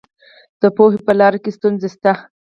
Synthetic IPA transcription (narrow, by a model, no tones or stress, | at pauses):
d̪̥əpoɦepəlɑɾakest̪unzest̪a